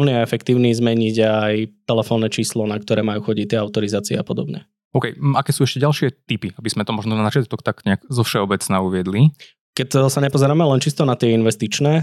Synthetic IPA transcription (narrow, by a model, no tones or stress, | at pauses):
ʊniaɛfɛkt̪iːʊnizmɛɲiɟajt̪ɛlɛfɔːnːɛt͡ʃiːslɔnak̚t̪ɔɾɛːmajuːxɔɟict̪ɪɛaʊt̪ɔɾizaːt͡siɛ̰apɔd̪ɔbɲɛ̰ | ɔʊkɛjakɛːsuːɛʃcɛɟalʃɪɛt̪ipiabiz̥mɛt̪ɔmɔʒnɔnanat͡ʃɪat̪ɔkt̪aɡɲɛaɡzɔfʃɛɔbɛt͡snauʋɪɛd̪li | kɛcsaɲɛpɔzɛɾaːmɛlɛnt͡ʃist̪ɔnat̪ɪɛinʋɛst̪it͡ʃnɛː